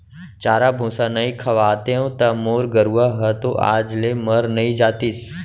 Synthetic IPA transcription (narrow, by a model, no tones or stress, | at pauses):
t͡ʃaːɾabʱũːsanɐĩkʰɐʋaːt̪eɦõt̪ɐmoːɾɡəɾuaɦət̪oʔa̰ːd͡ʒlemɐɾnɐĩd͡ʒaːt̪is